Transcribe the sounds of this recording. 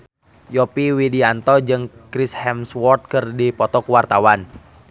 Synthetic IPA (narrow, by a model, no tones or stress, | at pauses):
jɔpiwidiant̪ɔd͡ʒɨŋkɾishɛmswɔrt̪̚kɨrdipɔt̪ɔkuwart̪awan